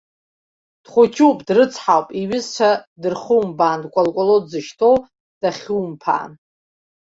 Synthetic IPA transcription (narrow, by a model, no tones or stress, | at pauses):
d̥χʷʊt͡ʃʰuwpʼdrɨt͡sʰħawpʼiɥɪzt͡ʃʷʰadɨrχuwmbaːndkʷʼalkʷʼolodzɨʃtʰow | d̥aχʲuwmpʰa̰ːn